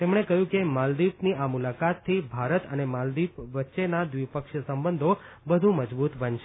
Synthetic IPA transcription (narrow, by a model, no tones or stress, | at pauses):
t̪emɽ̃ekəjũkemald̪ipniʔamulakat̪ʰːibʱaɾət̪ənemald̪ipʋətːʃenad̪ʋipəkʃsəmbənd̪ʱo | bəd̪ʱũməd͡ʒbut̪bənʃe